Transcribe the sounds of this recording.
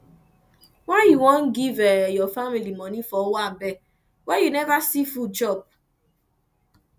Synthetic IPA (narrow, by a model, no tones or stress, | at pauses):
wajiwɔ̃n̩ɡivɛjɔfamilimɔnifɔwabɛ | wɛjinevasifud͡ʒɔb̚